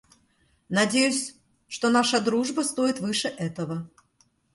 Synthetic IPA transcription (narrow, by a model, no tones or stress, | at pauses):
nɐdʲejʉsʲ | ʂt̪onaʂəd̪ɾuʐbəst̪ojɪt̪vɨʂɨʔɛt̪əvə